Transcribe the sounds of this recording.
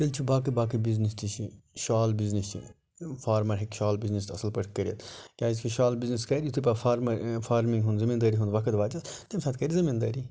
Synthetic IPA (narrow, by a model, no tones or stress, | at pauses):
t̪ilt͡ʃʰibaːk̬ibaːkibiznist̪it͡ʃʰiʃaːlbiznist͡ʃʰḭ | fʰaːɾmɐɾɦekʃaːlbiznist̪ɐsɐlpɐʈʰkɐɾʲjɐt̪kʲaːisʲkʰiʃaːlbizniskɐɾʲjut̪ʰip̬afaːɾmɐɾfʰaːɾmiŋɡɦund̪zimind̪aːɾiɦund̪ʋɐkʰɐt̪ʋaːt͡ʃɐst̪emsaːt̪kɐɾizimind̪aːɾi